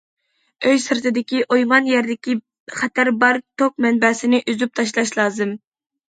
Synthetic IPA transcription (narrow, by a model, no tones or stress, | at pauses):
øjsɨɾt̪ɨd̪ɪkʲiʔojmɑnjæɾd̪ɪkʲi | χɛt̪ʰæɾbɑɾt̪ʰok̚mɛnbɛːsɪnɪʔyzyp̚t̪ʰɑʃ̬lˠɑʃlˠɑːzɨm